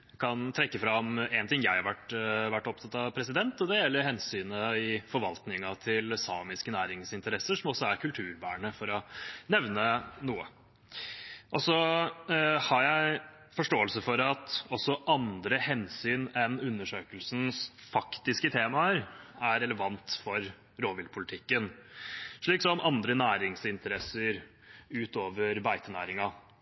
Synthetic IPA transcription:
kʰɑnt̪ʰɾɛkːəfɾɑmɛnt̪ɪŋjæɪhɑɾʋæʈːʋæʈːɔp̚t̪ʰɑt̪ːɑʋpʰɾɛsɪd̪ɛnt̪ɔd̪ɛjɛlːəɾhɛnsyːnəɪfɔɾʋɑlt̪nɪŋɑt̪ʰɪlsɑːmɪskənæːɾɪŋsɪnt̪əɾɛsəʂɔmɔsːɔæɾkʰʉlt̪ʰʉːɾbæ̰ːɳəfɔɾɔnɛʋnənuːə̰ | ʔɔsɔ | hɑɾjæɪ | fɔʂʈoːəlsəfɔɾɑt̪ɔsɔʔɑnd̪ɾəhɛnsyːnɛnʉnːəʂøːkəlsn̩sfɑkt̪ɪskət̪ʰeːmɑəɾæɾɛləʋɑnt̪fɔɾ | ɾoːʋɪlpʰʊlɪt̪ʰɪkːən | ʂɭiːksɔmʔɑnd̪ɾənæːɾɪŋsɪnt̪əɾɛsəɾ | ʉːt̪oːʋəɾbæɪt̪ənæ̰ːɾɪŋɑ

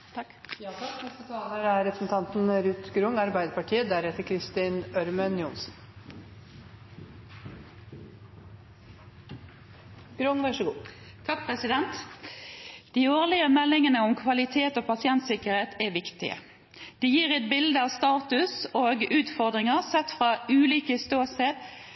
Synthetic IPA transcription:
t̪ | nɛst̪ət̪ʰɑːləɾæɾɾɛpɾəsn̩t̪ʰɑnt̪nɾʉt̪ɡɾʊŋɑɾbæɪd̪əɾpɑʈʰiːəd̪æɾɛt̪əɾkʰɾɪst̪inœɾmənjʊnsn | ɡ̥ɾʊŋʋæʂəɡuː | t̪ʰɑk̚pʰʁɛsɪd̪ɛnt̪ | d̪̥iːoːʁlɪəmɛlːɪŋənəʊmkʰʋɑlɪt̪ʰeːt̪oːpʰɑsɪɛnt̪sɪkəʁheːt̪ʰɛʋɪkt̪ɪ̰ə̰ | d̪̥ɛːjiːʁɛɪt̪̚bɪld̪əɑʋst̪ɑːt̪ʉsoːɡʉːt̪fɔʁd̪ʁɪŋəʁsɛt̪fʁɑːʉːliːkəst̪oːsed̪

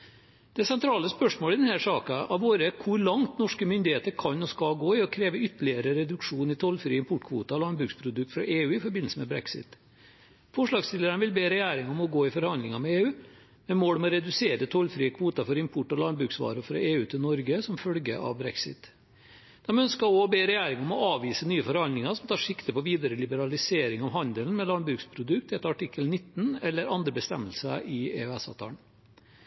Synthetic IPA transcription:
d̪̥ɛsɛnt̪ʰɾɑːləspœʂmoːlɪd̪ɛnhæʂɑːkɑʔɑʋoːɾəkʰʊɾɭɑŋt̪nɔʂkəmʏnd̪ɪheːt̪əɾkʰɑnːɔskɑlɡoːɪɔkʰɾeːʋəʏt̪ːəɭɪəɾəɾɛd̪ʉkʂuːnɪt̪ʰɔlfɾḭːəɪmpʰʊʈːkʰʋṵːt̪ɑɔlɑnbɾʉːkspʰɾʊd̪ʉkt̪fɾɑ̰ʔeːʉːɪfɔɾbɪn̩səmɛbɾɛ̰ksɪ̰t̪ | fɔʂɭɑːɡst̪ɪləɾəɳəʋɪlbeːɾɛjæːɾɪŋɔmɔɡoːɪfɔɾhɑnd̪lɪŋɑmɛeːʉː | mɛmoːɽmɔɾɛd̪ʉseːɾəət̪ʰɔlfɾiːəkʰʋuːt̪ɑfɔɾɪmpʰʊʈːɔlɑnd̪bɾʉːksʋɑ̰ːɾʊfɾɑ̰eːʉːt̪ʰɪlnɔɾɡəsɔmfœlɡəʔɑ̰ʋbɾɛksɪ̰t̪ | d̪̥ɛmœnskəɾobeːɾɛjæːɾɪŋɔmɔɑːʋiːsənyːəfɔɾhɑnd̪lɪŋɑɾsɔmt̪ʰɑːʂɪkt̪əpɔʋiːd̪əɾəlɪbəɾɑlɪseːɾɪŋɔʋɦɑnd̪əlnmɛlɑnbɾʉːkspʰɾʊd̪ʉkt̪ɛt̪ɑʈɪkːəlnɪt̪ːn̩ɛlːəɾɑnd̪ɾəbəst̪ɛ̰mːəlsə̰ʔɪḛœɛsɑ̰t̪ʰɑɳ

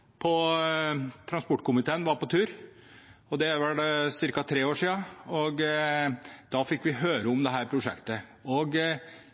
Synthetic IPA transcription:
pʰɔ | t̪ʰɾɑnspʊʈːkʊmɪt̪ʰeːənʋɑɾpɔt̪ʰʉːɾ | ɔd̪ɛʋɑɖɛsɪɾkɑt̪ʰɾeːoːʂiːɑɔɡ | d̪̥ɑfɪkːʋɪɦøːɾəʊmd̪ɛɦæːɾpʰɾʊʂɛ̰kt̪əɔɡ

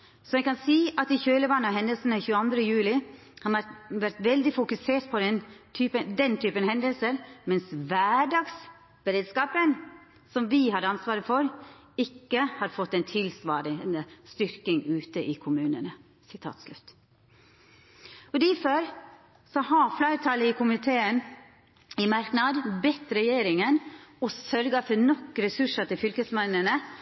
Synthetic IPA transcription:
sɔɛkɑnsiːʔɑt̪ɪçøːləbɑnːəɔɦɛnd̪əlsən̩əçʉːəɑnd̪ɾəjʉːlɪ | hɑʋæɾt̪ʋɛld̪ɪfʊkʉseːʈ̪̚pʰɔd̪ɛnt̪ʰyːpəd̪ɛnt̪ʰyːpənhɛnd̪əlsəɾmɛnsʋæːɖɑːɡs | b̥əɾeːd̪skɑːpən | sɔmʋɪhɑd̪əɑnsʋɑːɾəfɔɾ | ɪkːəhɑɾfɔt̪ːɛnt̪ʰɪlsʋɑːɾɪnəst̪ʏɾkɪŋʉːt̪əʔɪːkʰʊmʉːnənə | sɪt̪ʰɑ̰ːt̪slʉt̪ː | ɔd̪æføɾ | sɔhɑflæɪɾət̪ʰɑləikʰʊmɪt̪ʰeːən | ɪmɑɾknɑd̪bɛt̪ːɾɛjeːɾɪŋənɔsœɾɡəfɔnɔkːɾɛsʉʂət̪ɪlfʏlkəsmɛnːənə

